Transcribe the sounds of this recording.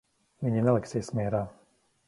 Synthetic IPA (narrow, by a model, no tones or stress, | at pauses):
miɲɛnalɛksiɛsmɛɾa